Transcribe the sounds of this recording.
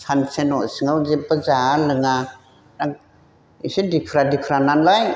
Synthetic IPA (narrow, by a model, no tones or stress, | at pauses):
sʰansenɔsɯŋawzepəzalɯŋa | nak̚ | isidikʰɾadikʰɾananlaj